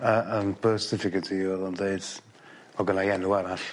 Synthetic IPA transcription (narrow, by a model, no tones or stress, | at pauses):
əənbəsɪfɪɡədiɔlˠɔndeɨd̥ | ɔɡənajɛnuaɾaɬ